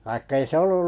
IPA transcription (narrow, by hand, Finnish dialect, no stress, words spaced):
ʋɑikːɑ̆ ei se olːul